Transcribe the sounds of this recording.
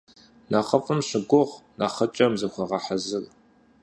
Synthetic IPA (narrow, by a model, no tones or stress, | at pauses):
naχɐfʼɨmɕɪɡʷʊʁnaχɐt͡ʃʼɐmzɨxʷɐʁɐħazɨr